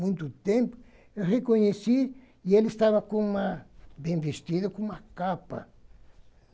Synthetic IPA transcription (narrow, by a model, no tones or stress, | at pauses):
mũnt̪ut̪empo̥ | rekoɲesi | elest̪aβakumabembest̪iðokumakapa̰